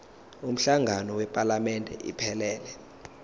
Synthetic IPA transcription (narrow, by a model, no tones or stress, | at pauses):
um̩ɬaŋʱanɔwɛpʼalamɛndʱɛ̰ʔḭpʰɛlɛːlɛ